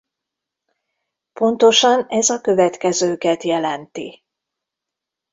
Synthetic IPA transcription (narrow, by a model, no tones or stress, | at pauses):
po̞nt̪o̞ʃɒnɛzɒkø̞vɛt̪kɛzøːkɛt̪jɛlɛnt̪i